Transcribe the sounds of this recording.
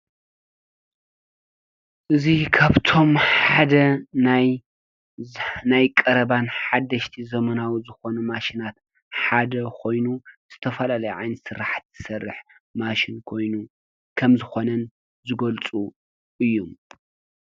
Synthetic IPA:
ʔɨzikʰaβt̪ʰo̞mħad̪ɐnaj | najkʼɐɾɐβanħad̪ːɐʃt̪ʰizɐmɐnawizɨxo̞numaʃinat̪ | ħad̪ɐkʰo̞jnuz̥ɨt̪ʰɐfɐlalɐjuʕa̰jnɨsɨɾaħt̪z̥ɨ̥sɐrːɨ̰ħ | maʃɪnkʰo̞jnu | kʰɐmzɨxo̞nɐn | zɨɡɐlt͡sʼu | ʔɨjːum

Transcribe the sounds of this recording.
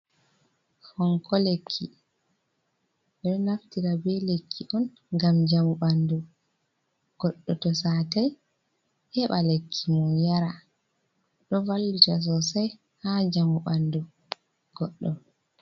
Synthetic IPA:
fɔŋkɔlekʰːi | ɛɗɔnaftiɾabɛlekʰːiʔɔn | ɡamd͡ʒamuɓandɔ | ɡ̥ɔɗːɔtɔsataj | hɛɓalekʰːimɔnjaɾa | ɗɔvalːutas̬ɔsaj | had͡ʒamuɓandɔ | ɡ̥ɔɗːɔn

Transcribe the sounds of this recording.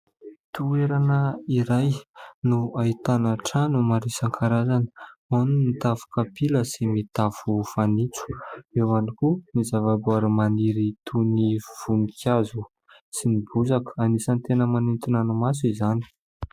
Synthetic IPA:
t̪ueɾanəiɾajnuait̪anaʈ͡ʂanumaɾisaŋkʰaɾazanə̥anumit̪avu̥kapiləsimit̪afufanit͡su̥ewanikunizavabuaɾamaniɾit̪ʰuniv̥unikʰʲjazu | sinibuzakə̥anisant̪enəmanint̪inanumas̬izani̥

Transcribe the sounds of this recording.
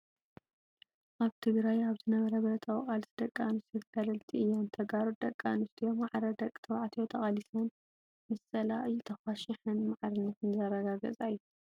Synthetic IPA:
ʔaβt̪ʰɨɡɾajaβzɨnɐβɐɾɐβɐɾɐt̪ʰɐwqʼalsid̪ɐkʼːanɨst̪ʰot̪ʰɡɐlɐlt̪ʰiʔɨjːant̪ʰɐɡaɾud̪ɐkʼːa̰nɨst̪ʰijomaʕɾɐd̪ɐkʼt̪ʰɐwʕt̪ʰijot̪ʰɐχʼɐlisɐn | mɐsɐlaʔɨjːut̪ʰɐxɐʃɪħɨnmaʕɾɨnːɐt̪ɨnzɐɾɐɡaɡɐ̰t͡sʼajːu

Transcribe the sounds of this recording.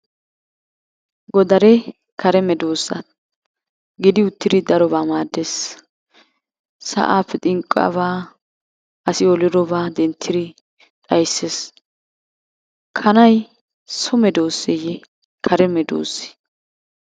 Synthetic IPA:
ɡɔd̪ɐɾɛ | kʰɐɾɛmɛd̪o̞ːsːɐ̰ | ɡɪd̪ɪʊt̪ːɪd̪ɪd̪ɐɾɔbaːmaːd̪ːes | sɐ̰ʔaːpːɛt̪ʼɪŋkʼːɐ̰βaː | ɐsɪɔlɪɾɔbaːd̪ɛnt̪ʰːɪd̪ɪ | t̪ʼɐjsːes | kʰɐnɐj | sʊmɛd̪oːsːejɛ | kʰɐɾɛmɛd̪o̰ːsːɪ̥

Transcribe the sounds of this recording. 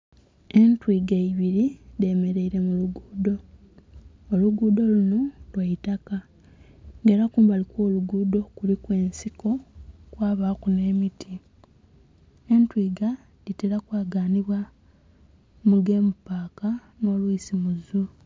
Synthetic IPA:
e̞ntwiːɡaiβiɾile̞me̞ɾe̞iɾe̞muluɡuːdo̞ | luɡuːdo̞lunolwaitaka | ŋɡeːɾakuːmbalikwo̞ːluɡuːdo̞kulikwe̞ːnsiko̞kwaːβakune̞ːmitʰi | e̞ntwiːɡa | liteɾakwaːɡaːniβwa | muɡe̞ːmupaːka | no̞ːluisimuzu

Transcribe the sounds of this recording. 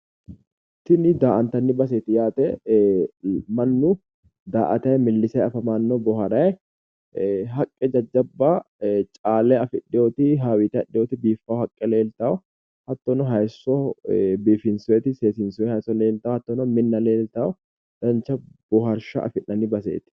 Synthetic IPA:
t̪ɪnɪd̪aːʔɐnt̪ɐnːɪbɐs̬ɛt̪ɪjaːt̪ɛ | mɐnːʊ | d̪aːʔɐt̪ɐjɛmɪlːɪsɐjɐfɐmaːnːɔbɔɦɐɾɐjɛ | ɦɐkʼːɛd͡ʒɐd͡ʒːɐbːat͡ʃʼaːlɛɐfɪɗɪjoːt̪ɪɦaːwɪt̪ɪɐɗɪjoːt̪ɪbiːfːɐhɐkʼːɛle̞ːlt̪aɔ | hɐt̪ːɔnɔɦɐjsɔbiːfɪnsʊɛːt̪ɪse̞ːsɪnsʊɛhɐjsɔle̞ːlt̪awɐt̪ːɔnɔmɪnːɐleːlt̪ɐɔ | d̪̥ɐnt͡ʃːɐb̥ɔɦɐɾʃɐ̰ʔɐ̰fɪnːɐnːɪbɐsḛːt̪ɪ̥

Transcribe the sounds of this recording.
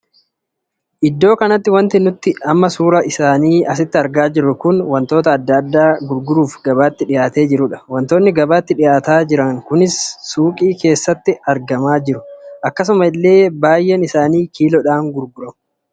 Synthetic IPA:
ʔɪd̪ːo̞ːkɐnɐt̪ːɪwɐnt̪ɪnʊt̪ːɪɐmːɐsuːɾɐʔɪsaːniːʔɐsɪt̪ːɪɐɾɡaːd͡ʒɪɾːʊkʊnwɐnt̪o̞ːt̪ɐːd̪ːɐd̪ːaːɡʊɾɡʊɾuːfɡɐbaːt̪ːɪᶑɪjaːt̪e̞ːd͡ʒɪɾʊᶑɐ̥wɐnt̪oːnːɪɡɐbaːt̪ːɪᶑɪjaːt̪aːd͡ʒɪɾɐŋkʊnɪsːuːkʼiːkʰe̞ːsːɐt̪ːɪɐɾɡɐmaːd͡ʒɪɾʊʔɐkːɐs̬ʊmɐɪlːe̞ːbaːjʔɛnɪsaːniːkiːlɔᶑaːŋɡʊɾɡʊɾɔ

